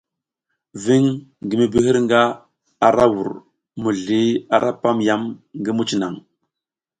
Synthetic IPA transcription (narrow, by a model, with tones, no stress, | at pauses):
vi˦ŋɡi˨mi˦bi˦ɦi˦ɾŋɡa˦ | a˨ɾa˦wu˨ɾ | mu˨ɮi˨˦a˨ɾa˦pa˦mja˦mŋɡi˦mu˦t͡ʃi˨na˨ŋ